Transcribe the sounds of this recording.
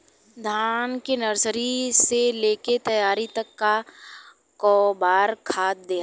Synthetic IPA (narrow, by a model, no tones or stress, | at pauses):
d̪ʱaːnkenɐɾsəɾiseleːket̪ɐjaːɾit̪ɐkːa | kɔːbaːɾkʰaːt̪̚d̪eː